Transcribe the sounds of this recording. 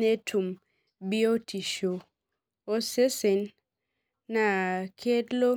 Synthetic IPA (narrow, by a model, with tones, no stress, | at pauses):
e˦tʰu˨m | bi˦o˦tʰi˨ʃo˨ | o˦se˦se˨nː | a˨kʰe˦dlo˦